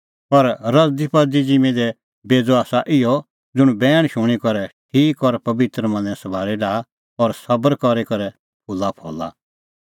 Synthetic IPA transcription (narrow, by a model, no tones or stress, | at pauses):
pɐɾɾɐd̪ipɐd̪id͡zimẽd̪ɛ | beːd͡zaːsaʔɪjɔ | d͡zʊɽ̃bɛːɽ̃ʃʊɽ̃ikɔɾɛʈʰiːkɔɾpɐbɪt̪ɾəmɐ̃nd͡zɛ̃sɐbʱaːɾiɖaː | ɔɾsɐbəɾkɔɾikɐɾɛ | pʰʊlːapʰɔ̰ːla̰